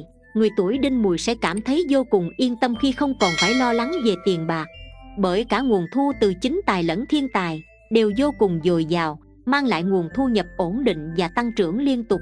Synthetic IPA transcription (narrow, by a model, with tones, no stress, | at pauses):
ŋɨ˨˩jt̪u˧˩əjɗi˧nmu˨˩əjsɛ̰˧˥kaː˧˩mt̪ʰə˨˦jzo˧kʊ˨˩ŋ͡mʔi˧ənt̪ə˧mxi˧xə˧wŋ͡mkɔ˨˩nfaː˧˩jlɔ˧la˨˦ŋve˨˩t̪i˨˩ənɓaː˨˩k̚ɓəː˧˩jkaː˧˥˩ŋu˨˩ənt̪ʰu˧t̪ɨ˨˩t͡ɕï˨˦ŋ̟t̪aː˨˩jlə̰˧˥nt̪ʰi˧ənt̪aː˨˩j | ɗe˨˩wzo˧kʊ˨˩ŋ͡mzo˨˩jzaː˨˩w | maː˧ŋla̰ː˧˨jŋu˨˩ənt̪ʰu˧ɲə˨˩p̚ʔo˧˩nɗḭ˧˨ŋ̟vaː˨˩t̪a˧ŋt͡ɕɨ̰˧˩əŋli˧ənt̪ʊ˨˩k͡p̚